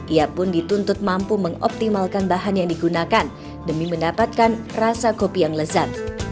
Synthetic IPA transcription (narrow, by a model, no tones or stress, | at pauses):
ʔiapʊndit̪unt̪ʊt̪̚mampuməŋɔ̰p̚t̪imalkanbaɦanjaŋdiɡunakan | dəmiməndapat̪̚kanrasakopijaŋləzan